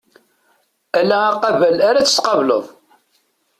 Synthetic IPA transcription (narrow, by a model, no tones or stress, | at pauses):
ælæːqɑvælaɾat͡sːə̥sqɑvlə̰ðˤ